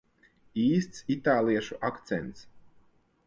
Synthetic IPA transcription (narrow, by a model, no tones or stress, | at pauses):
iːst̪sit̪aːlˠiɛʃuʔakt̪sɛ̰nt̪s